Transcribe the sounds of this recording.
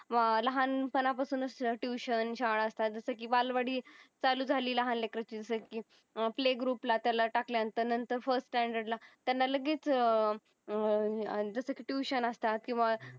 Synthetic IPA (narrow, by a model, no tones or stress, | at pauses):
ʋləɦanpənapasuːnəsəʈjuɕənɕaɭəst̪at̪̚d͡zəsəkiːʋalʋaɽiːt͡saluːd͡zʱaliːləɦanlekɾat͡ɕiːd͡zəsəkiː | pleɡɾuːplat̪jalaʈakljant̪ənənt̪əɾfəɾssʈɛɳɖəɾɖlat̪janːaləɡiːt͡s | d͡zəsəkiːʈjuɕənəst̪at̪kĩw̃ʋa